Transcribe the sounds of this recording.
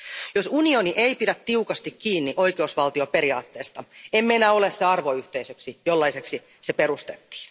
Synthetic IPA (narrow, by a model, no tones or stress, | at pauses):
josunio̞niʔejpidæt̪ːiukɑst̪ikkiːnːiʔo̞jkeusʋɑlt̪io̞pe̞ɾiɑ̰ːt̪ːeːst̪ɑemːenæo̞lesseɑrʋo̞yht̪eisøksijolːɑiseksi | sepe̞ɾust̪et̪ːi̥ːn